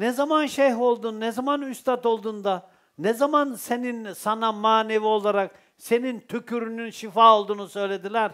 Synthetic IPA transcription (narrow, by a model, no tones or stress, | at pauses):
nɛzamanʃejɦo̞lˠd̪unnɛzamanyst̪ʰat̪o̞lˠd̪und̪a | nɛzamanse̞ninsanamaːne̞vio̞lˠaɾak | se̞nint̪ʰykʰyɾynynʃifaolˠd̪uːnusø̞jlʲe̞d̪ilʲæɾ̥